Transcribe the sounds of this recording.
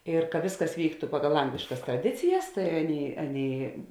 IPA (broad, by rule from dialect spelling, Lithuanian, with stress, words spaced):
ɪr kɐ ˈʋʲeːsˌkɐs ˈʋʲiːktʊ ˈpɑːɡɐlˠ ˈɐŋɡlʲɪʃkɐs trɐˈdʲɪt͡sʲɪjɛs tɐɪ ˈɑːˌnʲeːɪ ˈɑːˌnʲeːɪ